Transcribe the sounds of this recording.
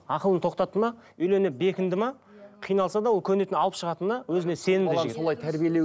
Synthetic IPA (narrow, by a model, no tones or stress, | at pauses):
ɑqəlˠənt̪ʰo̞qt̪ɑt̪ːəmɑ | ʏjle̞nɪp̚be̞kʲɪnd̪ɪmɑ | qʰijnɑlˠsɑd̪ɑwolˠkʲʰɵnet̪ɪnɑlˠəpʃəʁɑt̪ənːɑwɵzɪnese̞nɪmd̪so̞lˠɑjt̪ʰæɾbijele